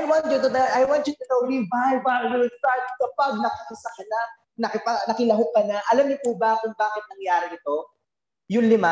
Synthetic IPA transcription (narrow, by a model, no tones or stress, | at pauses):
ʔajwant̪jʊt̪ʊd̪ɐɐjwant̪jʊt̪ʊt̪owɾivajvajust̪aɹt̪̚kɐpɐɡ̚nɐkɐkɪsɐkɐna | nɐkɪpɐnɐkɪlɐɦokɐnɐʔɐlamɲʊpubɐkʊŋbaːkɪt̪̚nɐŋjaːɾɪɪt̪o̞ | jʊŋlɪma